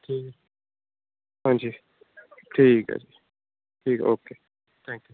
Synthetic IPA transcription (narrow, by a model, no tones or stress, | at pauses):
ʈʰiːk | ɦãːnd͡ʒiː | ʈʰiːkã̰d͡ʒi | ʈʰiːkoːkeː | t̪ʰɛ̃ːŋkju